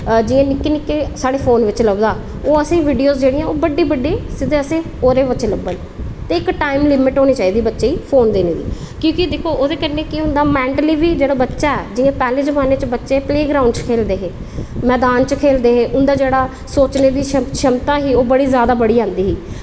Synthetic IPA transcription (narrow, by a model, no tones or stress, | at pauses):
d͡ʒɪãːnɪkːeːnɪkːeːsaːɽeːpʰoːnʋɪt͡ʃləbd̪aː | oːəsẽːʋiːɖijoːzd͡ʒeːɽiːjãoːbəɖːiːbəɖiːsɪd̪eːəsẽː | oːɾeːbətːʃeːləbːəl | t̪eːɪkʈaːɪmlɪmɪʈɦoːñiːt͡ʃaːiːd̪iːbətːʃeːiːpʰoːnd̪eːneːd̪ḭː | kjõːkɪd̪eːkʰoːʔoːd̪eːkəɾneːkɪʊ̃nd̪aːmɛ̃ːɳʈliːʋiːd͡ʒeːɽaːbətːʃaːɛːd͡ʒɪãːpɛːlẽːzəmaːneːt͡ʃbətːʃeːpleːɡɾaːʊ̃ɳɖt͡ʃkʰeːld̪eːɦeː | mɛːd̪aːnt͡ʃkʰeːld̪eːɦeːʔʊnd̪aːd͡ʒeːɽaː | soːt͡ʃneːd̪iːʃəʃəmt̪ãːɦiːoːbəɽiːzjaːd̪aːbəɽiːãːnd̪iːɦiː